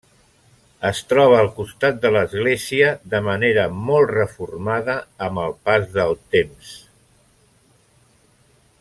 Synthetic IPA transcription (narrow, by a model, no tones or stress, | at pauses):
əst̪ɾɔβ̞əːlˠkust̪at̪̚d̪ələzɣleziəðəməneɾəmɔlˠtrəfurmaðəːməlˠpazðəlˠt̪ems